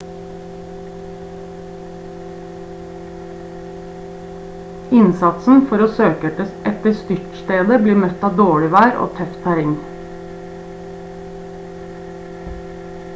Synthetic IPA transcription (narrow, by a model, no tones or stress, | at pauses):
ɪnsɑt̪sn̩fɔɾoːsøːkɛəʔɛt̪əst̪ʏʈst̪eːd̪əbliːmœt̪ɑːd̪oːɽɪʋæːɾʔo̰ːt̪ʰœft̪ʰæɾɪŋ